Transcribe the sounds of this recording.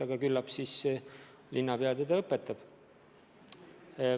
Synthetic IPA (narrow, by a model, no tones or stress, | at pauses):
ɑɡ̥ɑkylːɑpsis | lʔinːɑpeɑd̪ɑd̪ɑɤpːˑet̪ːˑɑb̥